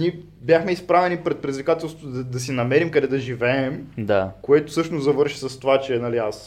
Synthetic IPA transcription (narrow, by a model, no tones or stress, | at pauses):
niɛ | bjaxmɛispɾavɛnipɾɛt̪̚pɾɛd̪izvikat̪ɛlˠst̪vd̪ɐd̪ɐs̬inɐmɛɾimkɐd̪ɛd̪ɐʒivɛɛmd̪akoɛt̪o̥sɤʃtnozɐvɤɾʃi̥sɐst̪ovat͡ʃɛɛnɐlias